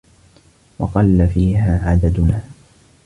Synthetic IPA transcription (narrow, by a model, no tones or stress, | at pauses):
wɑ̰qɑlːafiːɦaːʕad̪ad̪ʊnaː